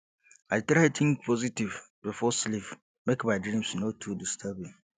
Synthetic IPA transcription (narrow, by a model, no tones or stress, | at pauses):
aɪtɾatʰĩŋkpʰɔzitiv | bifɔslif | mekbadɾĩmsnotʰudistʰabĩŋ